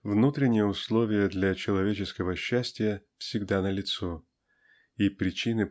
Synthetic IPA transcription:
vnut̪ɾʲɪnʲɪjəʊslˠo̞vʲɪjəd̪lʲɐt͡ɕɪlˠɐvʲet͡ɕɪskəvəɕːæsʲtʲɪjəfsʲɪɡd̪anəlʲɪt̪so | ipɾʲɪt͡ɕinɨ

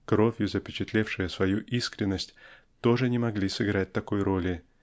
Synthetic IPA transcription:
kɾo̞vʲjʊzəpʲɪt͡ɕɪt̪lʲefʂɨjəsvɐjuʔiskɾʲɪnːəsʲtʲ | t̪o̞ʐɨnʲɪmɐɡlʲisɨɡɾat̚ʲt̪ɐko̞jɾo̞lʲɪ

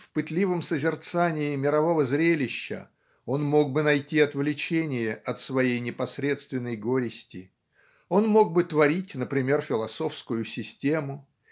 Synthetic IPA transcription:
fpɨt̪lʲivəmsəzʲɪrt̪sanʲɪːmʲɪɾɐvo̞vəzɾʲelʲɪɕːə̰ | o̞nmo̞ɡ̚bɨnɐjtʲiɐt̪vlʲɪt͡ɕenʲɪjəʔɐt̪svɐjejnʲɪpɐsɾʲe̞t̪st̪vʲɪnːəjɡo̞ɾʲɪsʲtʲɪ | o̞nmo̞ɡ̚bɨt̪vɐɾʲitʲnəpɾʲɪmʲe̞rfʲɪlˠɐso̞fskʊjʊsʲɪsʲtʲe̞mʊ

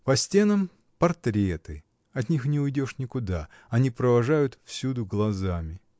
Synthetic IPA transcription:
pɐsʲtʲe̞nəm | pɐrt̪ɾʲet̪ɨ | ɐt̪ʲnʲixnʲɪʊjdʲo̞ʂnʲɪkʊd̪a | ɐnʲipɾəvɐʐajʊt̪fsʲud̪ʊɡlˠɐzamʲɪ

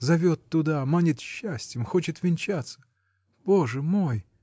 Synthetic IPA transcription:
zɐvʲot̪ːʊd̪amanʲɪt̪ɕːæsʲtʲjɪmxo̞t͡ɕɪt̪vʲɪnʲt͡ɕat̪sə̥ | b̥o̞ʐɨmo̞j

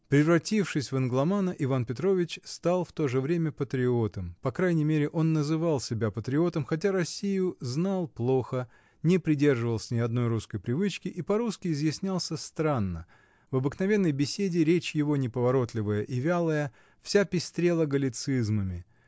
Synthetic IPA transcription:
pɾʲɪvrɾɐtʲifʂɨsʲvənɡlˠɐmanəʔɪvanpʲɪt̪ɾo̞vʲɪt͡ɕst̪alˠft̪o̞ʐɨvɾʲemʲəpət̪ɾʲɪo̞t̪əmpɐkɾajnʲɪjmʲeɾʲɪʔo̞nːəzɨvalˠsʲɪbʲapət̪ɾʲɪo̞t̪əmxɐt̬ʲaɾɐsʲːijʊznalˠplˠo̞xə | nʲɪpɾʲɪdʲe̞rʐɨvəlˠsʲənʲɪɐd̪no̞jɾuskəjpɾʲɪvɨt͡ɕkʲɪʔipɐɾuskʲɪɪzjɪsʲnʲalˠsʲəst̪ɾanːə | vɐbɨknɐvʲe̞nːəjbʲɪsʲedʲɪɾʲet͡ɕjɪvo̞nʲɪpəvɐɾo̞t̪lʲɪvəjəʔɪvʲalˠəjə | fsʲapʲɪsʲt̪ɾʲe̞lˠəɡəlʲɪt̪sɨzməmʲɪ

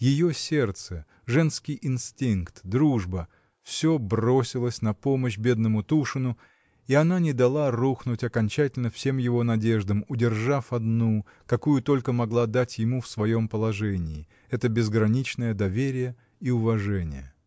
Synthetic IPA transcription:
jɪjo̞sʲe̞rt̪sə | ʐɛnskʲɪjʔɪnstʲinkt̪d̪ɾuʐbə | fsʲo̞bro̞sʲɪlˠəsʲnɐpo̞məɕbʲe̞d̪nəmʊt̪uʂɨnʊ | iɐnanʲɪd̪ɐlˠaruxnʊtʲɐkɐnʲt͡ɕætʲɪlʲnəfsʲe̞mjɪvo̞nɐdʲe̞ʐd̪əmʊdʲɪrʐafɐd̪nu | kɐkujʊt̪o̞lʲkəmɐɡlˠad̪atʲjɪmufsvɐjo̞mpəlˠɐʐɛnʲɪː | ɛt̪əbʲɪzɡɾɐnʲit͡ɕnəjəd̪ɐvʲeɾʲɪjə | iʊvɐʐɛnʲɪ̰jə̰

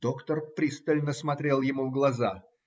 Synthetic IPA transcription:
d̪̥o̞kt̪ərpɾʲist̪əlʲnəsmɐt̪ɾʲelˠjɪmuvɡlˠɐza

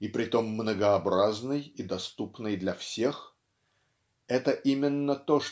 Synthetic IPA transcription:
ipɾʲɪt̪o̞mːnəɡəɐbɾaznɨjid̪ɐst̪upnɨjd̪lʲɐfsʲe̞x | ɛt̪əʔimʲɪnːət̪oʂ

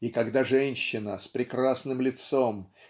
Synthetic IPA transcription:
ikɐɡd̪aʐɛnʲɕːɪnəspɾʲɪkɾasnɨmlʲɪt̪so̞m

